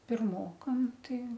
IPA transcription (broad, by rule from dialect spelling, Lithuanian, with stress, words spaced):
pʲɪrˈmoːkɐm ˈtɐɪ